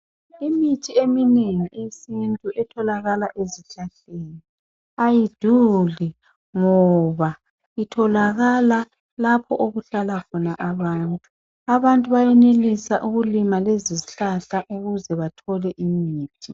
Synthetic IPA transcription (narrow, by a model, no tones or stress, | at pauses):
imitʰiemineŋiʔesintʼuʔɛtʰɔlaɣalaʔeziɬaɬeːni | ajid̥ʱuli | ŋɔβa | itʰɔlaɣala | lapʰɔ̰ʔoɣuɬalakʰɔnaʔaβaːntʼu | aβantʼuβajɛnelisaʔuɣulimaleziziɬaɬaʔuɣuzɛβatʰɔlɛʔimiːtʰi